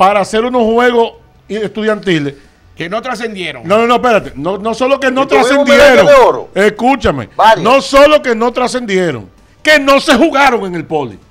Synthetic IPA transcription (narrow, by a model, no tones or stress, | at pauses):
paɾaːse̞ɾuno̞shwe̞ɣos | eht̪uðjant̪iles | kenot̪ɾas̬end̪jeɾoŋnononope̞ɾat̪enonoso̞lokenot̪ɾassend̪jeɾooɾo̰eskut͡ʃamḛanõsolo̞ke̞no̞t̪ɾase̞nd̪je̞ɾo̰ŋ | ke̞nõ̞se̞huɣaɾo̞ŋe̞ŋe̞lpolḭ